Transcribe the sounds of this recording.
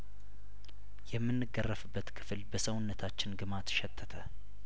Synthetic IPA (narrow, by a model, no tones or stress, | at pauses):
jɛmːɨnːɨɡːərːəfɨbːət̪kʰɨ̥flbəsəwʊnːət̪ʰat͡ʃːɪnɡɨmat̪ʃɛt̪ʰːət̪ʰə